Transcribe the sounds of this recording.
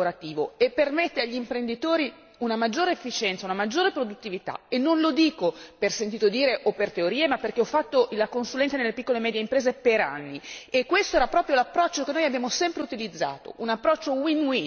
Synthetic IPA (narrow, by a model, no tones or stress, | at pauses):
oɾat̪iːvoepːermet̪ːeaʎːimpɾend̪it̪oːɾi | unamad͡ʒːoːɾeefːit͡ʃɛnt̪saunamad͡ʒːoːɾepɾod̪ut̪ːivit̪a̰enːonlod̪iːkopersent̪it̪od̪iːɾeʔopert̪eoɾiːemapːerkeɔfːat̪ːoʔilakonsulɛnt̪anelːepikːolemɛːd̪jeimpɾeːzepeɾa̰nːiekːwest̪oɛːɾapɾɔːpɾjolapːɾɔt͡ʃːokenːoːjabjaːmosɛmpɾeut̪ilid̪zːa̰ːt̪o̰ʔunapːɾɔt͡ʃːowinwi